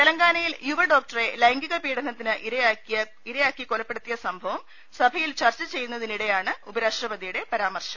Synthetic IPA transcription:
t̪elɐŋɡaːnɐjiljuʋɐɖoːk̚ʈɐre̞lɐjŋɡiɣɐpiːɽɐnɐt̪ːinɨʔiɾɐjjɐ | iɾɐjaːkːikolɐpːe̞ɽut̪ːijɐsɐmbʱɐʋɐm | sɐbʱɐjilt͡ɕɐrt͡ɕːɐt͡ɕe̞jːunːɐðiniɽe̞jaːɳɨubɐɾaːʂrɐbɐd̪ijuɽe̞pɐɾaːmɐrɕɐ

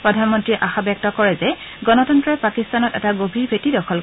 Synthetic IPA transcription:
pɹɔdʱanmɔntɹiɛʔaxabjɔk̚tɔkɔɹɛzɛ | ɡɔnɔtɔntɹɔpakistanɔtɛ̰taɡobʱiɹbʱetidɔxʰɔl

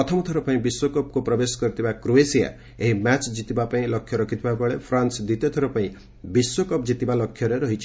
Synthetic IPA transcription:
ɔt̪ʰɔmɔt̪ʰɔɾɔpaĩbiswokɔp̚kupɾɔbesɔ̥kɔɾit̪ʰibakɾuesija̰ | eɦimat͡ʃd͡ʒit̪ibapaĩlɔkʰjɔɾɔkʰit̪ʰibabɔɭepʰɾansd̪it̪jɔt̪ʰɔɾɔpaĩ | biswokɔpd͡ʒit̪ibalɔkʰːjɔɾeɾɔɦit͡ʃʰi̥

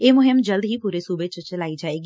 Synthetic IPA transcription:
eːmʊɦɪmd͡ʒəld̪ɦipuːɾesuːbet͡ʃət͡ʃəlaːid͡ʒaːeːɡi

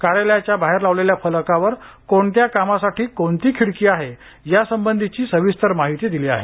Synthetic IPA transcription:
kaɾeljat͡ɕjabaɦeɾlaʋleljafəlkaʋəɾ | koɳt̪jakamasaʈʰiːkoɳt̪iːkʰiɽkiːaɦe | jasəmbənd̪ʱit͡ɕiːsəʋist̪əɾmaɦit̪iːd̪iliːa̰ɦḛ

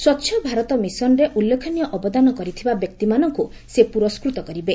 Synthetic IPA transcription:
swɔtːʃʰɔbʱaɾɔt̪ɔmisɔnɾeʔulːekʰɔnijɔʔɔbɔd̪anɔkɔɾit̪ʰibabjɔk̚t̪imanɔŋku | sepuɾɔskɾut̪ɔkɔɾibe

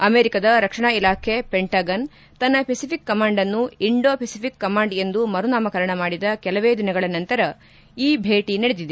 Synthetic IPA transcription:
ɐmeːɾikɐd̪ɐɾɐkʂɐɳaːilaːkʰe̞peɳʈaːɡɐn | t̪ɐnːɐpʰesipʰikːɐmaːɳɖɐnːuiɳɖo̞ːpʰesipʰikːɐmaːɳɖe̞nd̪umɐɾunaːmɐkɐɾɐɳɐmaːɽid̪ɐkɛlɐʋeːd̪inɐɡɐɭɐnɐnt̪ɐɾɐ | iːbʱeːʈinɐɽed̪id̪

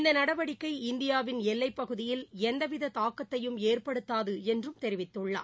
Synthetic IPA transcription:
ɪnd̪ɐnɐɽɐʋɐɽɪkːɐɪɪnd̪ɪjaːʋɪnɛlːɐɪpːɐɣɯðɪjɪlɛnd̪ɐʋɪðɐt̪aːkːɐt̪ːɐjɯmeːrpɐɽɯt̪ːaːðɯɛndrɯmt̪ɛɾɪʋɪt̪ːɯɭːa̰ː

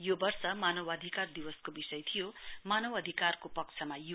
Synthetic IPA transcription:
jobʌrsʌmanʌwʌd̪ʱikard̪iwʌskobisʌjt̪ʰijomanʌwʌd̪ʱikarkopʌk̚t͡sʰʌmaju

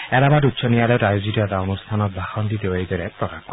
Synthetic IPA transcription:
ɛɾabatutsʰɔnijalɛtajuzitɔɛt̪aonust̪ʰanɔt̪̚bʱaxɔnd̪it̪eoijd̪ɔɾɛpɹɔkaxk

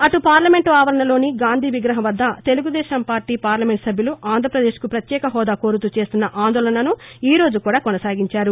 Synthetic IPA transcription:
ɐʈupaːɾlɐme̞ɳʈuaːʋɐɾɐɳɐlo̞ːniɡaːnd̪ʱiːʋiɡɾɐɦɐʋɐd̪ːɐt̪e̞luɡud̪ɛːʃɐmpaːɾʈiːpaːɾlɐme̞ɳʈsɐbʱjuluʔaːnd̪ʱɾɐpɾɐd̪e̞ːʃkupɾɐt̪jɛːkɐɦɔːd̪aːko̞ːɾut̪ut͡ʃe̞ːst̪unːɐʔaːnd̪ɔːlɐnɐnuiːɾo̞ːd͡ʒukuːɽaːkɔnɐsaːɡiɲt͡ʃaːɾu

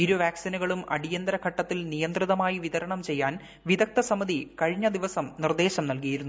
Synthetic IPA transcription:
iɾuʋaːksinɐɣɐɭumɐ̰ɽijɐnd̪ɐɾɐkʰɐʈːɐt̪ːilnijɐnd̪riðɐmaːjiʋiðɐɾɐɳɐmt͡ɕe̞jːaːn | ʋiðɐk̚t̪ɐsɐmɐðikɐɻiɲːɐd̪iʋɐsɐmnird̪e̞ːɕɐmnɐlk̬ijiɾunːu

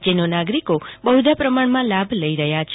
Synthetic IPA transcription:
d͡ʒenonaɡɾikobəɦud̪ʱapɾəmaɳmãlabʱləiɾəɦjat͡ʃʰ

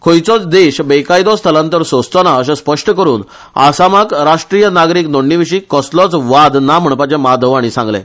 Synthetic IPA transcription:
kʰojt͡sɔt͡sd̪eɕbekajd̪ɔst̪ʰəlãnt̪əɾsod͡zt̪ɔnaəɕ̬ãspəʂʈəkəɾuːn | a̰samakɾaʂʈɾijənaɡɾiːknoɳːiʋiɕiːkɔslɔt͡sʋad̪nam̤əɳpad͡ʑẽmad̪ʱəʋaɽ̃isãŋɡlɛ̰̃

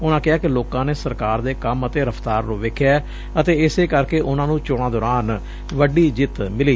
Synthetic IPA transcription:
ʊnãːkɪɦaːkɪloːkãːneːsəɾkaːɾd̪eːkəmət̪eːɾəpʰt̪aːɾnũːʋeːkʰjaː | ət̪eːɪseːkəɾkeːʔʊnãːnũːt͡ʃʊɽɳ̃aːd̪ɔːɾaːn | ʋəɖiːd͡ʒɪt̪mɪliː

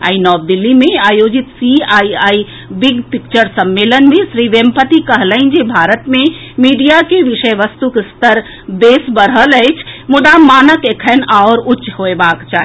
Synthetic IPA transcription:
a̰inɔːb̚d̪ɪlːimẽaːjoːd͡ʒit̪siaːiaːi | biɡpɪk̚t͡ʃəɾsəmːeːlənmẽsɾiʋempət̪ikəɦləɪnd͡ʒebʱaːɾət̪mẽmiːɖijakeʋɪʃəjʋəst̪ukst̪əɾ | beːsbəɾɦələjt͡ʃʰmʊd̪amaːnəkekʰɛnaʊɾʊtːt͡ʃɦoebakt͡ʃaɦ

